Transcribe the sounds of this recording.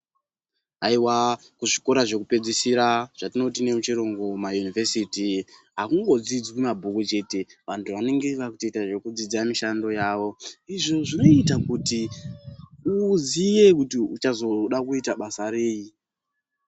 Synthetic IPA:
aiwa | kuʐiko̞ɾaʐe̞kupe̞d͡zisiɾaʐ̥atino̞t̬ine̞mut͡ʃiɾo̞ŋɡo̞majunivesitiɦakuŋɡo̞d͡zid͡zkumabʱukut͡ʃe̞te̞ʋantʰuʋane̞ŋɡe̞ʋakutetaʐe̞kud͡zid͡ziamiʃando̞jaːʋo̞iʐo̞ʐino̞itakuti | uzije̞kutiut͡ʃazo̞ɗakuitaɓasaɾe̞ːji

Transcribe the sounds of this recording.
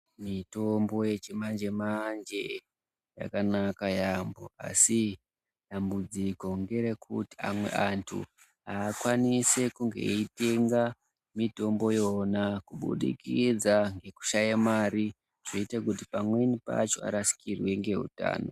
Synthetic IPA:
mito̞mbo̞je̞t͡ʃimand͡ʒe̞mand͡ʒe̞ | ja̰kanakajambo̞a̰si | ɗambud͡ziko̞ŋɡe̞ɾekʰuti̥a̰mwe̞̰ʔantʰṵ | ɦaːkwanise̞kuŋɡe̞̰ite̞ŋɡa | mito̞mbo̞jonakuɓṵɗḭkid͡zaŋɡe̞ku̥ʃajamaɾi | ʐ̥oitakutipamwe̞nipa̰t͡ʃo̞a̰ɾasi̥kirwe̞ŋɡe̞ɦṵta̰ːno̰

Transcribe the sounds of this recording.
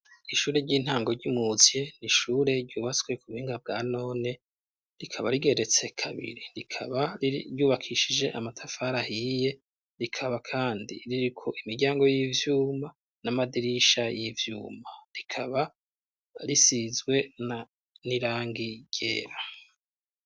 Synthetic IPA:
iʃuːɾe̞ɾɟiːn̥haːŋɡoɾɟimuzje̞niʃuːɾe̞ɾɟuːβat͡swe̞kuβuhiːŋɡab̚ɡaːno̞ːne̞ | ɾikʰaβaɾiɡe̞ɾe̞t͡se̞kʰaβḭɾiɾikʰaβaiɟuːβakʰiʃid͡ʒe̞ʔamatʰafaɾahije̞ | ɾikʰaβakʰaːndḭɾiɾikʰo̞ʔimiɾɟaːŋɡo̞jivjuːma | namadiɾiʃajivjṵːmaɾikʰaβa | ɾisizɡwe̞na | niɾaːŋɡiɟ̥e̞̰ːɾa

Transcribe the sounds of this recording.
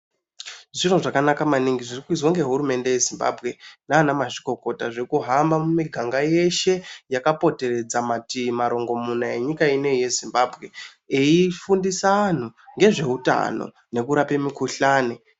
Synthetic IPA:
ʐinoʐakanakamaniŋɡiʐirikuizwaŋɡe̞ɦuɾume̞nde̞je̞zimba̰bʱɣe̞naːnamaʐiko̞ko̞taʐekuɦambamumiɡʱaŋɡaje̞ʃe̞jakapo̞te̞re̞d͡zamatimaɾo̞ŋɡo̞munaeɲikaine̞je̞zimbaːbʱɣe̞ | eifundisaan̤uŋɡe̞ʐe̞ɦuta̰no̰ | ne̞kuɾape̞mikuɬaːne

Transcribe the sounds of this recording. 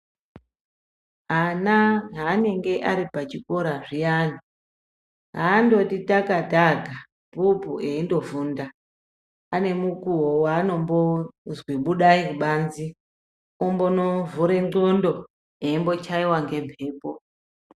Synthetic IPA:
ɦanaɦaːne̞ŋɡe̞ʔaɾipat͡ʃiko̞ɾaʐijani | ɦaːndo̞titakataɡʱa | bupueindo̞vuːnda | ane̞mukuwowaːno̞mbozwiɓuɗaikuɓaːnzi | ombonovuɾe̞ŋ͡ǃondo | e̞imbo̞t͡ʃaiwaŋɡe̞mpe̞ːpo

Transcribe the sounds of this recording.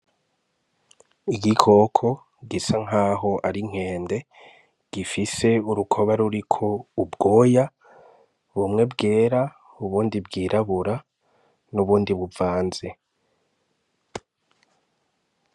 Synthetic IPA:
iɡikʰo̞ːkʰo̞ | ɡisaŋ̥ɦaːɦo̞ʔaɾiŋ̥e̞ːnde̞ | ɡ̥ifise̞uɾukʰo̞βaɾuɾikʰo̞ubɡo̞ːja | βumŋe̞bɡe̞ːɾa | uβuːndibɡiːɾʔaβuɾa | nuβuːndiβuvaːnze̞

